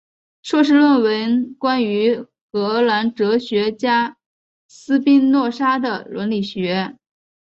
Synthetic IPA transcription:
ʂwɔ˥˧ʂɻ̩˥˧lwə˥˩nwə˧˥nkwa˥ny˧˥ | xɤ˧˥˧la˧˥nʈ͡ʂɤ˧˥ɕɥɛ˧˥t͡ɕja˥ | sɹ̩˥pi˥ŋnwɔ˥˩ʂa˥d̪ə˨lwə˧˥nli˨˩ɕɥɛ˧˥

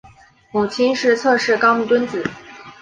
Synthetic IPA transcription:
mu˨˩t͡ɕʰi˥nʂɻ̩˥˧t͡sʰɤ˥˧ʂɻ̩˥˩kɑ˥ʊmu˥˩t̪wə˥nt͡sɹ̩˨˩˦

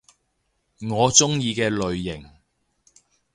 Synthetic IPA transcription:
ŋɔː˨˧t͡sʊ˥ŋjiː˧kɛː˧lɵ˨ɥːɪ˨˩ŋ

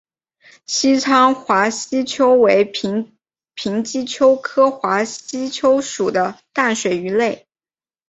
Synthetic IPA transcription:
ɕi˥t͡sʰɑ˥ŋxwa˧˥ɕi˥t͡ɕʰjo˥ʊwe˧˥ɪ | pʰi˧˥ŋt͡ɕi˥t͡ɕʰjo˥ʊkʰɤ˥xwa˧˥ɕi˥t͡ɕʰjo˥ʊʂu˨˩d̪ə˦t̪a˥˩nʂwe˨˩ɪy˧˥le˥˩ɪ

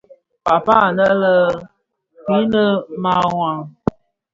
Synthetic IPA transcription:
pa˨pa˦˨nə˦lə˦ | ki˨˦nə˦ma˦wa˨

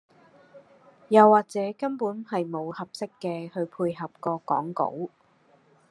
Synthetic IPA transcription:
jɐ˨wːaː˨k̚t͡sɛː˨˥kɐ˥mpuː˨˥nhɐ˨jmo˨˧whɐ˨p̚sɪ˥kːɛː˧hɵ˧ɥpʰuː˧jɦɐ˨p̚kɔː˧kɔ̰ː˨˥ŋko̰˨˥w

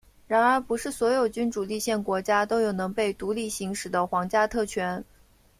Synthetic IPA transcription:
ɻa˧˥nə˞˧˥pu˧˥ʂɻ̩˥˩swɔ˧˥jo˨˩ʊt͡ɕy˥nʈ͡ʂu˨˩li˥˧ɕjɛ˥˩nkwɔ˧˥t͡ɕja˥t̪o˥ʊjo˨˩ʊnɤ˧˥ŋpe˥˩ɪt̪u˧˥li˥˩ɕi˧˥ŋʂɻ̩˨˩d̪ə˦xwɑ˧˥ŋt͡ɕja˥t̪ʰɤ˥˩t͡ɕʰɥɛ˧˥n

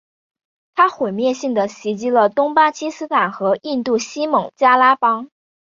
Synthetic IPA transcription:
t̪ʰa˥xwe˨˩ɪmjɛ˥˧ɕi˥˩ŋd̪ə˩ɕi˧˥t͡ɕi˧˥lə˨t̪ʊ˥ŋpa˥t͡ɕʰi˥sɹ̩˥t̪ʰa˨˩nxɤ˧˥ʔi˥˧nt̪u˥˩ɕi˥mɤ˧˥ŋt͡ɕja˥la˥pɑ˥ŋ

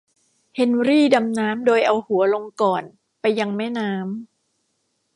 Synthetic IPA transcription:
he˧˦nɾiː˥˩da˧mnaː˦˥mdoː˧jʔa˧whu˩˦ɐlo˧ŋkɔː˨˩n | pa˧jːa˧ŋmɛː˥˩naː˦˥m

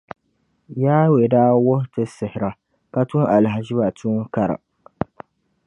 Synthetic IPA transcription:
jaː˦we˨daː˦wʊ˦htɨ˦sɨ˨hɪ˨ɾa˨ | ka˦tu˦ŋʔa˨lɦa˨ʒɪ˦ba˨tuː˦ŋ˦ka˦ɾa̰˨

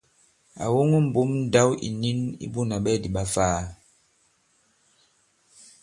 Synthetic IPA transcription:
a̰˨wo˦ŋu˦m̩˨bu˨˦mn̩˦da˦wḭ˨ni˦nḭ˦ɓu˦˨na˨ɓɛ˦˨di˨ɓa˦faː˦

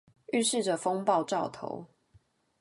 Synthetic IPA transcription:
y˥˨ʂɻ̩˥˨ʈ͡ʂə˨˩fo˦ŋpɑ˥˨ʊʈ͡ʂɑ˥˨ʊt̪ʰo̰˨˧˦ʊ

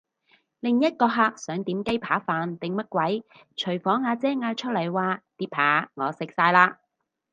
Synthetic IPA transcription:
lɪ˨ŋjɐ˥t̚kɔː˧ɦaː˧k̚sœː˨˥ŋt̪iː˨˥mke˥jpʰaː˨˥faː˨nt̪ɪ˨ŋmɐ˥t̚kwɐ˨˥j | t͡ʃʰɵ˨˩ɥfɔː˨˥ŋhaː˨˧t͡sɛː˥ŋaː˧jt͡ʃʰɵ˥t̚lɐ˨˩jwaː˨˧t̪iː˨˥p̚ʰaː˨˥ŋɔː˨˧sɪ˨k̚saː˧jlaː˧

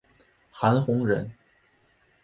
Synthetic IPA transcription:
xa˧˥nxʊ˧˥ŋɻə˧˥n

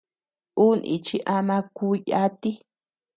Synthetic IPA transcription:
u˦˨nḭ̃˧t͡ʃi˦ʔa˧mã˧ku˦ja˦t̪i˦

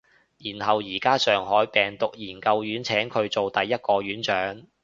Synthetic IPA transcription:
jiː˨˩nhɐ˨wjiː˨˩kaː˥sœː˨ŋɦɔː˨˥jpɛː˨ŋt̪ʊ˨k̚jiː˨˩nkɐ˧wjyː˨˥nt͡sʰɛː˨˥ŋkʰɵ˨˧ɥt͡so˨wt̪ɐ˨jːɐ˥t̚kɔː˧ɥyː˨˥nt͡ʃœː˨˥ŋ

